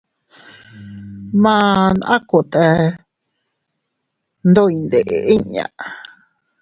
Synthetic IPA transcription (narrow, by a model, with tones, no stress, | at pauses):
mã˦na˦ko˨t̪e˧ | nd̪o˦i˧nd̪e˨ʔe˨ʔi˦ɲã̰˨